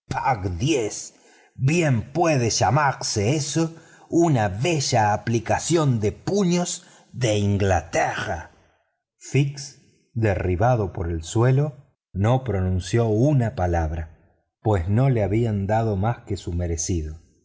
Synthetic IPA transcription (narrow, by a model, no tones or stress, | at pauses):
pʰakd̪jes | bjempweðeʒamaɾseeso | unaβe̞ʒaːplikasjo̞nd̪epuɲoz | ðeiŋɡlat̪era̰ | fiks | d̪eriβaðo̞po̞ɾelswe̞lo | no̞pɾo̞nũnsjo̞unapalaβɾa | pwesno̞leaβiand̪að̞o̞maskesumeɾesiðo